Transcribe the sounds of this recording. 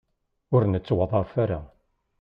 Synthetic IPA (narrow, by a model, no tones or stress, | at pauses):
ʊɾnət͡sːwɑðˤɑfaɾa